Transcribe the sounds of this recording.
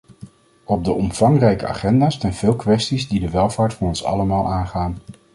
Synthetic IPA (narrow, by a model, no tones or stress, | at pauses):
ɔb̚dəʔɔmv̥ɑŋrɛjkəa̰ːχɛndaːstanv̥ɪːlˠkʋɛstizdidəʋɛlˠv̥aːɹtfɑnɔnsɑ̰ləmaːlˠʔaːnχaːn